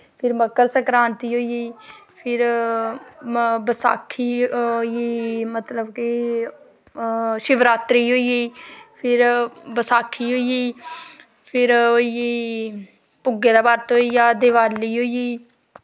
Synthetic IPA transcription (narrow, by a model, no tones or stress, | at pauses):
pʰɪɾməkːəɾsəkɾaːnt̪iːɦoːiːiː | pʰɪɾ | bəsa̰ːkʰːiːoiiːmət̪ləbke | ʃɪʋɾaːt̪ɾiːɦoːiːiːpʰɪɾbəsaːkʰːiːɦoːiiː | pʰɪɾoːiiː | pʊɡːeːd̪aːbaːɾt̪ɦoːiːjaːd̪eʋaːlːiːɦoːiiː